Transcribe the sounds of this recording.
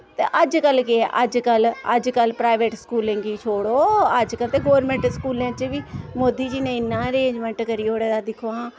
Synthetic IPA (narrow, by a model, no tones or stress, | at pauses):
t̪eːʔəd͡ʒkəlkeʔəd͡ʒkələd͡ʒkəlpɾaːɪʋeːʈskuːlɪ̃ŋɡiːt͡ʃʰoːɽoːəd͡ʒkəlt̪eːɡoːʋəɾmẽːɳʈskuːlẽːt͡ʃʋiːmoːd̪iːd͡ʒiːnẽːɪnːãːɾeːd͡ʒmɛ̃ːɳʈkəɾiːoːɽeːd̪aːd̪ɪkʰoːãː